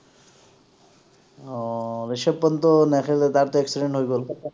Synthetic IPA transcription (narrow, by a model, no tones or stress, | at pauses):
ɾiʃepːɔnt̪onɛkʰelet̪aɾt̪oeksiɖeɳʈɦojɡol